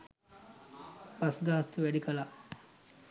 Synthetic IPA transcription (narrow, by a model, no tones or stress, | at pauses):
pɐsɡaːst̪uʋæɖikɐla